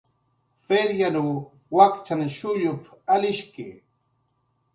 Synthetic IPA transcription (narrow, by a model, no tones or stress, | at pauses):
feɾjanu | wakt͡ʃanʃʊʎʊpalɪʃkɪ